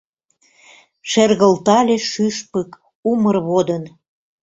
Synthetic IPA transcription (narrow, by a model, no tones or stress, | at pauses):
ʃerɣəlt̪ɑlʲeʃyʃpək | umərβod̪ən